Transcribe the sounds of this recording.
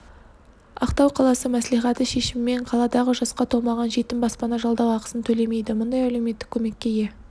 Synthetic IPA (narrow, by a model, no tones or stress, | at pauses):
ɑ̰qt̪ɑwqʰɑlˠɑsəmæslijχɑt̪əʃe̞ʃɪmɪme̞ɴqʰɑlˠɑd̪ɑʁəʒɑsqɑt̪ʰo̞lˠmɑʁɑnʒe̞t̪ɪmbɑspɑnɑʒɑlˠd̪ɑwɑqə̥sənt̪ʰɵle̞me̞jd̪ɪmʊnd̪ɑjæle̞wme̞t̪ːɪkʲʰːɵme̞kʲːe̞je̞